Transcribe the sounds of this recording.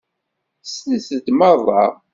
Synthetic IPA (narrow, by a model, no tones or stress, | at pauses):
sisəd̪mɑðˤɑ̰